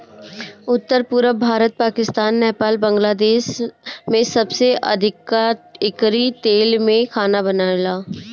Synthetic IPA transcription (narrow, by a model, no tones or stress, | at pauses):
ʊt̪ːəɾpʊːɾəbʱaːɾət̪̚paːkɪst̪aːnːɛːpaːlbə̃ŋɡlaːd̪eːʃmẽsɐbseʔɐ̰d̪ʱɪkaɪkɾit̪eːlmẽkʰaːnabɐnaːlaː